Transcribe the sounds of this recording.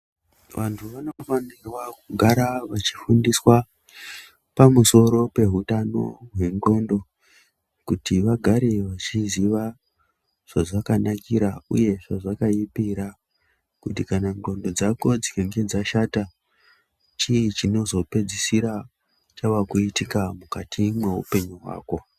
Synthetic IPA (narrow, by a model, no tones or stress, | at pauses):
ʋʔantʰuʋanofanirwakuɡʱaɾaʋat͡ʃi̥fundiswa | pamuso̞ɾo̞pe̞ɦutano̞̰ɦwe̞ŋɡo̞ndo̞ | kutiʋaɡʱaɾe̞ʋat͡ʃiziʋa | ʐ̥aʐakanakiɾaṵje̞ʐaʐakaipiɾa | kutikanaŋɡo̞ndo̞d͡zako̞d͡zikeŋɡe̞d͡zaʃata | t͡ʃiit͡ʃino̞zo̞pe̞d͡zisiɾa | t͡ʃaʋakuitikamukatʰimwe̞ɦṵpe̞ɲuɦwa̰ːko̞